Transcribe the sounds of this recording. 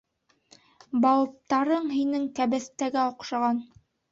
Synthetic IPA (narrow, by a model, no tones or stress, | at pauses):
bɑw̪ˠɤ̆p̚t̪ɑɾɤɴɦinɘŋkæbɘ̆θt̪æɡæoqʃɑʁɑn